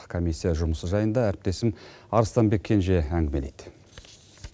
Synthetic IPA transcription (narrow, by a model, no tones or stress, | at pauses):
kʰomisʲːijɑʒʊməsəzʒɑjənd̪ɑæɾɪp̚t̪e̞sɪm | ɑɾəst̪ɑnbe̞kʲʰːe̞nʒe̞æŋɡʲɪme̞lḛjd̪̥